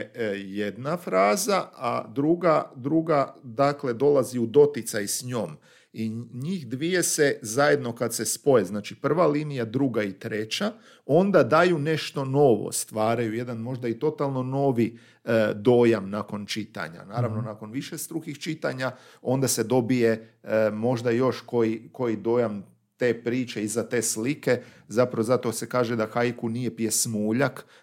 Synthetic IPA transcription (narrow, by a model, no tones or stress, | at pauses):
jed̪nafɾaːzaad̪ɾuɡad̪ɾuɡad̪akle̞d̪o̞laziud̪o̞t̪it̪sajsɲo̞ːm | iɲiːxd̪ʋije̞se̞zaje̞d̪no̞kad̪se̞spo̞je̞znaːt͡ʃipr̩ʋaliːnijad̪ɾuɡait̪ɾe̞t͡ɕa | o̞nd̪ad̪ajune̞ʃt̪o̞no̞ʋo̰st̪ʋaːɾajuje̞d̪anmo̞ʒd̪ait̪o̞t̪alˠno̞no̞ʋi | d̪o̞ːjamnako̞nt͡ʃit̪a̰ɲa̰naːɾaʋno̞nako̞nʋiʃest̪ɾuxixt͡ʃit̪aɲao̞nd̪ased̪o̞bije̞mo̞ʒd̪ajo̞ʃko̞jiko̞jid̪o̞ːjam | t̪e̞ːpɾiːt͡ʃeizat̪e̞ːslike̞zapɾaʋozat̪o̞se̞kaːʒed̪axajkunije̞pije̞smuːʎak